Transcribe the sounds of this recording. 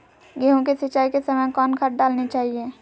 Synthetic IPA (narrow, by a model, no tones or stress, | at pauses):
ɡeɦõkesət͡ʃːaːikesəməjkɔːnkʰaʈ̚ɖaːlnit͡ʃaːɦie